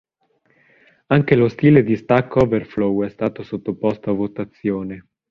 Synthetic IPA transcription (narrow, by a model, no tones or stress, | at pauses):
aŋk̟elost̪iːled̪ist̪akːɔverflowɛst̪aːt̪osot̪ːopost̪oavːot̪at̪sːjoːne